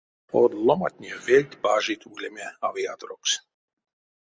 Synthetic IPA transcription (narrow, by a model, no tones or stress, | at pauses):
ɔːd̪lˠɔmat̪ʲnʲiɛvɛlʲt̪ʲbaːʒiːt̪uːɡlʲɛmʲɛaviad̪ɾɔks